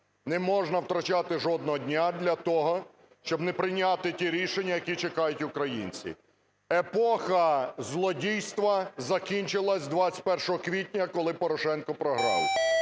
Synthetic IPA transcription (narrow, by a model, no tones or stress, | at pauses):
nɛmɔʒnɐwt̪ɾɐt͡ʃat̪ɪʒɔd̪̚nɔɦɔdʲnʲad̪lʲɐt̪ɔɦɔ | ʃt͡ʃɔbnɛpɾɪnʲat̪ɪtʲiɾʲiʃenʲːɐjɐkʲit͡ʃekɑjʊtʲʊkɾɐjḭnʲt͡sʲḭ | epɔxɐzlˠɔdʲijst̪ʋɐzɐkʲinʲt͡ʃɪlˠɐsʲd̪ʋat͡sʲɪ̥t̚ʲpɛrʃɔɦɔkʋʲitʲnʲɐkɔlˠɪpɔɾɔʃɛnkɔpɾɔɦɾɑlˠɪʊ